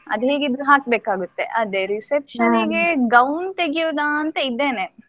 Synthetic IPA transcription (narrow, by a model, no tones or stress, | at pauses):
ɐ̰d̪uɦeːɡid̪ɾuɦaːk̚beːkaːɡut̪ːḛʔɐd̪eɾisepʂɐniɡeɡɐwnt̪eɡijud̪aːɐnt̪ɐid̪ːeːne